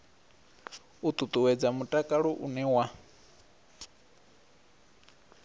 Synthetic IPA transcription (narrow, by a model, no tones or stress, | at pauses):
ut̪ʼut̪ʼuwɛd͡zamutʼakʼaɺɔʔunɛwa